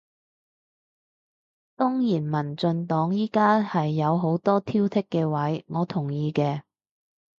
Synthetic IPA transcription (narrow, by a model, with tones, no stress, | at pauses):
t̪ɔː˥ŋjiː˨˩nmɐ˨˩nt͡sɵ˧nt̪ɔː˨˥ŋjiː˥kaː˥hɐ˨jːɐ˨˧wɦo˨˥wt̪ɔː˥t̪ʰiː˥wt̪ʰɪ˥kːɛː˧wɐ˨˥jŋɔː˨˧t̪ʰʊ˨˩ŋjiː˧kɛː˧